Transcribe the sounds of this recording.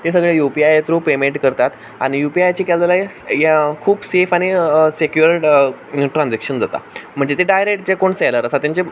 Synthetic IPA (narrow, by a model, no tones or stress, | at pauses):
t̪es̬əɡɭejupiajet̪ɾupemeɳʈkəɾt̪at̪ | a̰ɽ̃ijupiajt͡ɕikald͡zəlae | jekʰuːbsefaɽ̃isekjuɾ | ʈɾãnd͡zekʂənd͡zat̪a̰m̤əɳd͡zet̪eɖajɾek̚ʈt͡ɕekoɳseləɾəsat̪jaɲt͡ɕe